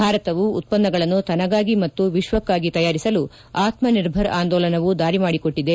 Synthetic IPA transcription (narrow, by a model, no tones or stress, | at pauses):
bʱaːɾɐt̪ɐʋuːt̪̚pɐnːɐɡɐɭɐnːut̪ɐnɐɡaːɡimɐt̪ːuʋiʃʋɐkːaːɡit̪ɐjaːɾisɐlu | aːt̪mɐniɾbʱɐɾaːnd̪ɔːlɐnɐʋud̪aːɾimaːɽikoʈːid̪e̞